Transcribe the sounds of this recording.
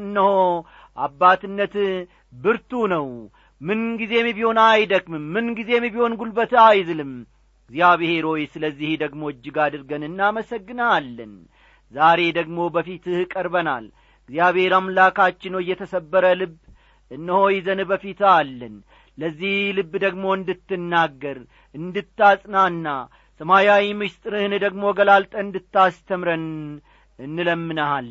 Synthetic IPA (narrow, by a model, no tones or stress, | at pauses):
ɨnːəho | ʔabːat̪ɨnːət̪ | bɨɾt̪unəw | mɨnɡize̞mibiho̞najd̪əkmɨmːɨnɡize̞mibiho̞nɡulbət̪ɨajzɨlɨm | ɡzijaβheɾo̞jɪsləzːihd̪əɡmo̞ɨd͡ʒːɨɡad̪ɨɾɡənɨnːaməsəɡːɨnalːən | zaɾe̞d̪əɡmo̞bəfit̪ɨhkʼəɾbəna̰l | ɨɡzijaβe̞ɾamlakat͡ʃːɪnəwjːɛt̪ʰəsəbːəɾəlɨbː | ʔɨnːəho̞jzənbəfit̪alːən | ləzːihlɨbːd̪əɡmo̞ɨnd̪ɨt̪ːɨnːaɡːəɾ | ɨnd̪ɨt̪ːasʼnaɨnːa | səmajawimɨʃt̪ʼɾɨhɨnɨd̪əɡmo̞ɡəlalt̪ʼəɨnd̪ɨt̪ːast̪ʰəmɾən | ɨnːɨləmːɨnəal